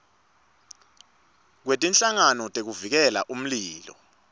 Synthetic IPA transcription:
k̬wetʼinɬaŋanɔtʼek̬uvik̬ɛla̰ʔum̩liːlɔ̰

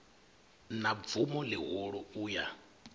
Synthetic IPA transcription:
nab̪vumɔlɪɦɔɺɔuːja

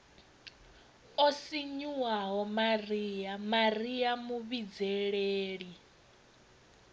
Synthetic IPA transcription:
osiɲuwaɦɔmariːjamarijamuβid͡zɛɺeːɺi

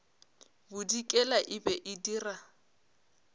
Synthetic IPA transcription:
bʊdikʼɛlaʔɪbɛʔɪdiːra

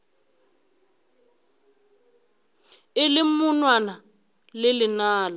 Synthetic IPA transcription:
ɪlɪmunwana | lɪlɪnaːla

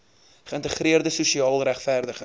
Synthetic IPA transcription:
χəəntəχriərdəsusiɑːlˠræχfæːrdəχə

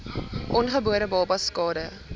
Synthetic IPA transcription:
ʔɔnχəbuəɾəbɑːpɐskɑːdə

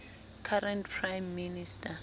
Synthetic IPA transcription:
kʰaɾɛntpʰrajmːinistʰʼa

